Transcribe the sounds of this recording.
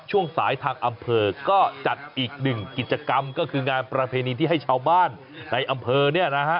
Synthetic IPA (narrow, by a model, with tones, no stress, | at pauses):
t͡ɕʰu˥˩əŋsaː˩˦jt̪ʰaː˧ŋʔa˧mpʰɤː˧kɔː˥˩t͡ɕa˨˩t̪̚ʔiː˨˩k̚nɯ˨˩ŋki˨˩t̪̚t͡ɕa˧ka˧mkɔː˥˩kʰɯː˧ŋaː˧npɾa˧pʰeː˧niː˧t̪ʰiː˥˩a˥˩jt͡ɕʰaː˧wbaː˥˩nː | a˧jʔa˧mpʰɤː˧ni˥˩ɐna˦˥kʰa˦˥ʔ